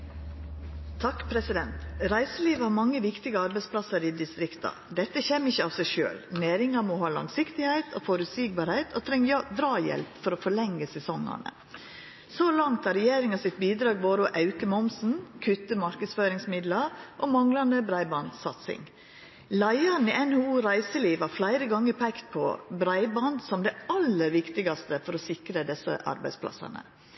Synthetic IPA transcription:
t̪ʰɑkpʰɾɛsɪd̪ɛnt̪ɾæɪsəliːʋəɑmɑŋːəʋɪkt̪ɪɡəɑɾbɛɪspʰlɑsəɾɪd̪ɪst̪ɾɪkt̪ɑ̰ | d̪ɛt̪ːəçeːmɪçːəɑʋsæɪʃø̰ːlneːɾɪŋɑmɔhɑːlɑ̰ŋsɪkt̪ɪhæɪt̪ʰɔːfɔɾʉt̪siːɡ̚bɑːɾhæɪt̪ʰɔt̪ʰɾɛŋd̪ɾɑːjɛ̰lpfɔɾɔfɔɭɛŋːəsɛsɔŋːə̰ɳə̰ | solɑŋt̪ɑɾɛjeːɾɪŋɑsɪt̪̚biːd̪ɾɑːɡʋoːɾʊʔɑʉkəmɔmsn̩kʰʉt̪ːəmɑɾkəd̪sføːɾɪŋsmɪd̪lɑʔɔmɑŋlɑnd̪əbɾæɪbɑnd̪sɑ̰t̪sɪ̰ŋ | læɪɑn̩iʔɛnhʉuːɾæɪsəliːʋhɑɾflæɪɾəɡɑŋːəɾpʰɛkt̪̚pʰɔbɾæɪbɑnd̪sɔmd̪ɛɑlːəɾʋɪkt̪ɪɡɑst̪əfɔɾɔsɪkɾəd̪ɛsə̰ʔɑ̰ɾbæɪspʰlɑ̰sɑ̰nə̰

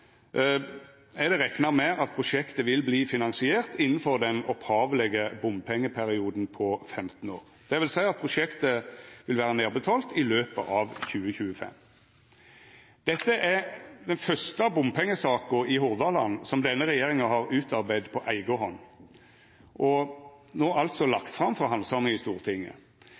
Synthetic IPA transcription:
ɛd̪ɛʁɛknɑmɛʔɑt̪̚pʰʁʊʂɛkt̪əʋɪlbliːfɪnɑŋsɪeːʁt̪ɪnːn̩fɔʁd̪ɛnɔphɑːʋəlɛɡəbʊmpʰɛŋːəpʰæʁɪuːd̪n̩pʰɔfɛmt̪n̩oːʁ | d̪̥ɛʋɪlsæɪɑt̪̚pʰɾʊʂɛkt̪əʋɪlʋæːʁəneːʁbət̪ʰɑːlt̪ʰɪløːpə̰ʔɑʋçʉːəçʉːəfɛ̰m | d̪̥ɛt̪ːəʔæʁd̪ɛnfœʁst̪əɑbʊmpʰɛŋːəsɑːkʊɪɦʊʁd̪ɑlɑnːsɔmd̪ɛnːəɾɛjeːʁɪŋɑɦɑʁʉːt̪ɑʁbæɪd̪pʰɔʔæɪɡəɦɔnː | ʔɔ | noːʔɑlt̪sɔlɑkt̪fʁɑmfʁɑɦɑnsɑməɪst̪uːʁt̪ʰɪŋːə̰

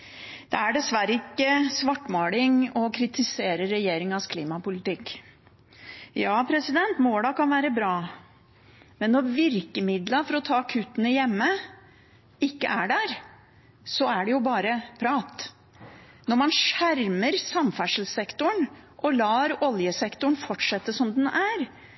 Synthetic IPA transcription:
d̪̥ɛæɖɛsʋæɾəɪkːəsʋɑʈːmoːlɪŋɔkʰɾɪt̪ɪseːɾəɾːɛjeːɾɪŋɑskʰliːmɑpʊlɪt̪ɪkː | jɑːpʰɾɛsɪd̪ɛnt̪moːɽɑːɡ̚kɑnʋæːɾəbɾɑː | mɛnːɔɾʋɪɾkəmɪd̪lɑfɔɾɔt̪ʰɑːkʰʉːt̪ənəjɛmːə | ɪkːəʔæɖæːɾ | sɔæɖɛjʊbɑːɾəpʰɾɑːt̪ | nɔɾmɑnʂæɾməɾsɑmfæʂəl̩sɛkt̪ʊɳʔɔlɑːɾɔljəsɛkt̪ʊɳ̩fɔʈʂɛt̪ːəsɔmd̪ɛnæɾ

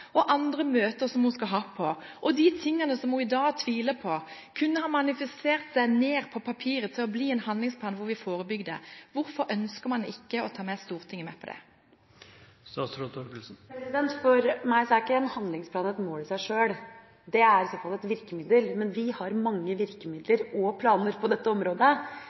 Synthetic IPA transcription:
ɔʔɑnd̪ʁəmøːt̪əɾsɔmhʊnskɑlɦɑːpʰɔʔɔd̪it̪ʰɪŋːənəsɔmhʊɪd̪ɑːɡt̪ʰʋiːləpʰɔkʰʉnːəhɑmɑnɪfəst̪eːʁt̪sæɪneːʁpʰɔpʰɑpʰiːʁət̪ʰɪlɔbliːɛnhɑnd̪lɪŋspʰlɑːnʋʊʁʋɪfoːʁəbʏɡd̪ə̰ʋʊɾfɔɾœnskəʁmɑnd̪ɛɪkːəɔt̪ʰɑːmɛst̪uːʁt̪ʰɪŋːəmɛpʰɔd̪ɛ̰ | st̪ɑːsɾɔt̪ʰɔɾkəlsn̩pɾɛsɪd̪ɛnt̪fɔɾmæɪsɔæɾɪkːəɛnhɑnd̪lɪŋspʰlɑːnɛt̪moːlɪsæɪʂøːɽ | d̪ɛæɾɪsɔfɑlɛt̪ʋɪɾkəmɪd̪əlmɛnʋɪhɑɾmɑŋːəʋɪɾkəmɪd̪ləɾɔpʰlɑːnəɾpʰɔd̪ɛt̪ːəɔmɾoːd̪ə

